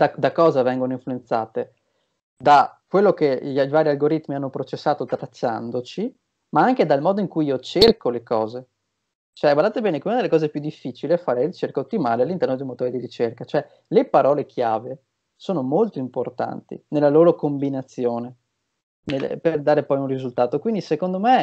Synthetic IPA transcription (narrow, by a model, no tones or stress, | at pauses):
d̪ad̪akɔːzavɛŋɡonoĩɱfluent̪saːt̪e | d̪akwelːokeivaːɾialɡoɾit̪ːmianːopɾot͡ʃesːaːt̪ot̪ɾat͡ʃːa̰nd̪ot͡ʃi | maaŋked̪almɔːd̪oiŋkujiːot͡ʃerkolekɔːze | t͡ʃoɛbad̪aːt̪ebɛːnekunad̪elːekɔːzepjud̪ːifːit͡ʃiliɛfːaːɾert͡ʃerkaot̪ːimaːlealːint̪ɛɾrnod̪ejmot̪oːɾid̪iɾit͡ʃerkat͡ʃoɛ | lepaɾɔːlekʰjaːve | soːnomolt̪oimport̪a̰nt̪ḭnelːaloːɾokombinat̪sːjoːne | nel̰perd̪aːɾepɔjunrizult̪aːt̪okwind̪isekond̪ome